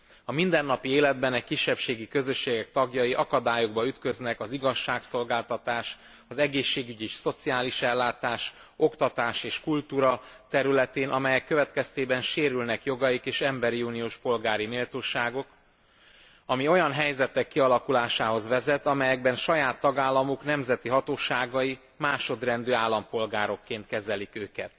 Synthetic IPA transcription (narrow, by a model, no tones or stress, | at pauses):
ɒmind̪ɛnːɒpieːlɛd̪bɛnɛckiʃːɛpʃeːɡikø̞zø̞ʃːeːɡɛk̚t̪ɒɡjɒjiʔɒkɒd̪aːjoɡ̚bɒyt̪køznɛkɒziɡɒʃːaːkso̞lɡaːlt̪ɒt̪aːʃ | ɒzɛɡeːʃːeːɡyɟiʃso̞t̪siaːliʃɛlːaːt̪aːʃ | o̞kt̪ɒt̪aːʃeːʃkult̪uːɾɒt̪ɛɾylɛt̪eːnʔɒmɛjɛkːøvɛt̪kɛst̪eːbɛnʃeːɾylnɛkjo̞ɡɒjikeːʃɛmbɛɾiuːnijoːʃpo̞lɡaːɾimeːlt̪oːʃaːɡo̞k | ɒmio̞jɒnɦɛjzɛt̪ɛkːiɒlɒkulaːʃaːɦo̞zʋɛzɛt̪ɒmɛjɛɡ̚bɛnʃɒjaːt̪ːɒɡaːlːɒmoknɛmzɛt̪iɦɒt̪oːʃaːɡɒji | maːʃo̞d̪rɛnd̪øːaːlːɒmpo̞lɡaːɾo̞kːeːnt̪kɛzɛlikøːkɛt̪